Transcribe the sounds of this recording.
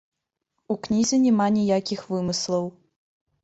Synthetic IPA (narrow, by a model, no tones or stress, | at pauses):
uknʲizʲɛnʲɛmanʲijakʲixvɨmɨslˠɐw